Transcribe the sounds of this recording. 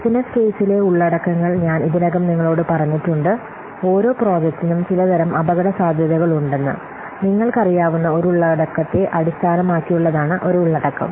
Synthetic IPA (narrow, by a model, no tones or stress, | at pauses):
sinɐske̞ːsile̞uɭːɐɽɐkːɐŋːɐɭɲaːniðinɐɣɐmniŋːɐɭo̞ːɽɨpɐrɐɲːitːuɳɖɨ | o̞ːɾo̞ːpro̞ːd͡ʑek̚tːinumt͡ɕilɐd̪ɐɾɐmʔɐbɐɣɐɽɐsaːd̪ʱjɐðɐɣɐɭuɳɖe̞nːɨ̰ | niŋːɐɭkɐrijaːʋunːɐo̞ɾuɭːɐɽɐkːɐt̪ːe̞ʔɐɽist̪ʰaːnɐmaːkːijuɭːɐðaːɳɨʔo̞ɾuːɭːɐɽɐkːɐ̰m